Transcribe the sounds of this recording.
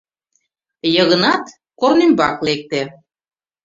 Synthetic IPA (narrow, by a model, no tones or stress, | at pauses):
jəɣənɑt̪ | kornymbɑklek̚t̪e